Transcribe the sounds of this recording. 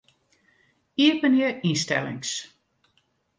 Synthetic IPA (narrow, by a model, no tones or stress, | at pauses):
iəpəniəɹinstɛ̰lɪ̰ŋs